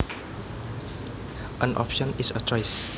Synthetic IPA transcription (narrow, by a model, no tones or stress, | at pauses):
ʔə̃nʔɔ̰pʃɔ̃nisət͡ʃɔjs